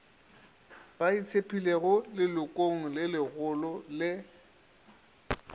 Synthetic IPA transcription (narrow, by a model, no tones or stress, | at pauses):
b̥ait͡sʰepʰileɣʊlɪlʊkʼoŋ̩lɪlɪɣʊlɔlɪ